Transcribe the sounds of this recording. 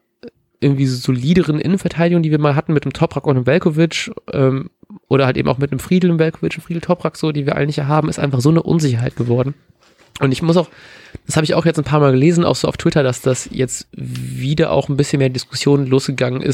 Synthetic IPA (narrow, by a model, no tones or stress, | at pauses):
ʔɪɐɡŋ̩tv̥iːzːzoliːdəʁənʔɪ̰nənfɛɐtʰaɪɾɪɡʊŋdiːviːɐmaːlɦatn̩mɪt̚nəmtʰɔpʁ̥akʊntnəmvɛlkovɪt͡ʃʔɛːmʔo̰ːɾɐhaltʔḛːm̩ʔaʊmɪt̚nəmfʁ̥iːdl̩ɪmvɛlkʰovɪt͡ʃɪfʁ̥iːdl̩tʰɔpʁ̥akz̥oːdeːnviːɐʔa̰lənɪçtaːɐɦaːbm̩ɪstʔaɪfaχz̥oːnəʔʊ̰nzɪçɐɦaɪt̚ɡ̥əvɔɐdn̩ | ʔʊntɪçmʊsaʊxd̥ashaːbəɪça̰ʊxjɛt͡snpʰaːɐmaːlɡəleːzn̩a̰ʊxz̥oːaʊtʰv̥ɪtɐdasd̥asjɛt͡stviːdɐʔa̰ʊxn̩bɪsçənmeːɐdɪskʰʊ̥sjoːnənloːsɡ̥əɡaŋənʔɪ̰s